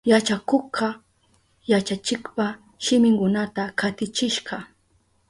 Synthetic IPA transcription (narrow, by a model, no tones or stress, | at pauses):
jat͡ʃakoqʰɑ | jat͡ʃat͡ʃɪkpa | ʃɪmɪŋkʊnat̪akʰat̪ɪt͡ʃɪʃɢɑ